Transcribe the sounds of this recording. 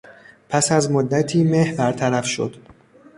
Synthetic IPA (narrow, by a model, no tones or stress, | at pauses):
pʰæsæzmod̪ːæt̪ʰiːmehbæɾt̪ʰæɾæfʃo̰d̪̥